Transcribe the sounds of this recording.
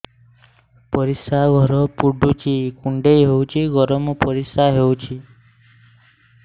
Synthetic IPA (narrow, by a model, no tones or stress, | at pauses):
pɔɾisaɡʱɔɾɔpuɖʱut͡ʃʰikuɳɖejɦewt͡ʃʰiɡɔɾɔmɔpɔɾisaɦewt͡ʃʰi